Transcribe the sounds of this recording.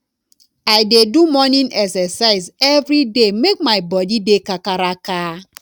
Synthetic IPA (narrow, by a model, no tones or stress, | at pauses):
ajdedumɔnĩnɛksɛsaɪzevɾidemek̚maɪbɔdidekakaɾaka